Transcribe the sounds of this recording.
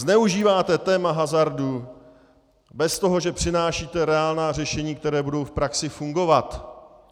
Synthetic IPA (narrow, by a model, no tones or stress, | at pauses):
znɛuʒiːvaːt̪ɛt̪ɛːmaɦazaɾdu | bɛst̪oɦo̞ʒɛpr̝̥ɪnaːʃiːt̪ɛɾɛaːlnaːr̝ɛʃɛɲiːkt̪ɛɾɛːbudo̞wfpɾaksɪfuŋɡo̞vat̪